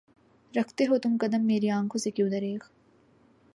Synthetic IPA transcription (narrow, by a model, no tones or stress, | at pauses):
ɾɐkʰt̪eɦot̪ʊmkɐd̪əmːeːɾiãːŋkʰõsekjũːd̪ɐɾeːk